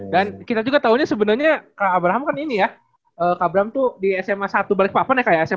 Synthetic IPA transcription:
dankit̪ad͡ʒuɡat̪auɲasəbənarɲakaːbɾaɦamkaninija | ʔəːkaːbɾaɦamt̪udiɛsɛmasat̪ubalɪk̚papanɛhkajaɛsɛ

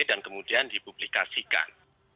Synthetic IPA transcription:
dankəmudiandipublikasika̰n

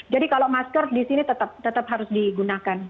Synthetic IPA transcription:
d͡ʒadikaloʔmaskərdisinit̪ət̪ap̚t̪ət̪ap̚ɦaɾʊsdiɡunakan

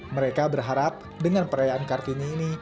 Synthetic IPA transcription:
məɾekabərɦaɾap̚ | dəŋanpəɾajaʔankart̪iɲiːni

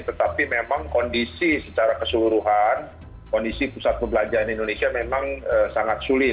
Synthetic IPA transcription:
t̪ət̪apimemaŋkɔndisisət͡ʃaɾakəsuluɾuɦan | kɔndisipusat̪̚pəbəlad͡ʒaɾanindonesiamemaŋəsaŋat̪̚sulɪ

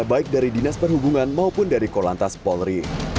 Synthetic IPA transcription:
abaɪk̚daɾidinaspərɦubuŋanmaupʊndaɾikola̰nt̪aspɔlɾi

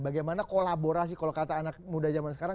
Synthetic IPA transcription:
baɡajmanakolaboɾas̬ɪhkalokat̪aːnak̚mudad͡ʒamansəkaɾa

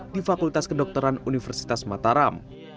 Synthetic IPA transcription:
difakult̪askədɔk̚t̪əɾanunifərsi̥t̪asmat̪aɾam

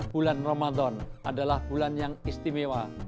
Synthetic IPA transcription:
b̥ulanromad̪ɔnʔadalahb̥ulanjaŋist̪imewa

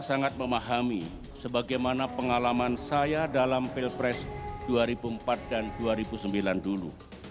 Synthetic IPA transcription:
saŋat̪̚məmaɦami | səbaɡajmanapəŋalamansajadalamfilpɾɛsd̥uaɾibuəmpat̪̚danduaɾibusəmbilandulṵ

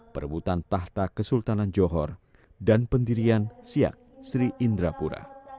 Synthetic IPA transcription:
pərbut̪ant̪aht̪akəsult̪anand͡ʒɔɦɔr | danpəndiɾiansia̰k̚sɾiʔindɾapuɾa̰

